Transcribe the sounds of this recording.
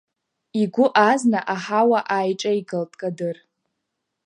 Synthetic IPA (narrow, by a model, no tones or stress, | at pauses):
iɡʷʊʔaznaʔaħawaʔajʈ͡ʂʼaiɡaltʼkʼadɨr